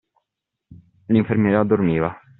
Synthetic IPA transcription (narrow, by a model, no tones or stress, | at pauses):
liɱfermjɛːɾiad̪ːormiːva